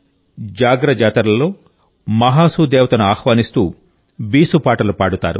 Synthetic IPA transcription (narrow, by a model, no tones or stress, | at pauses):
d͡ʒaːɡɾɐd͡ʒaːt̪ɐɾɐlɐlo̞ː | mɐɦaːsuːd̪eːʋɐt̪ɐnuaːxʋaːnist̪ṵː | biːsupaːʈɐlupaːɽut̪a̰ːɾṵ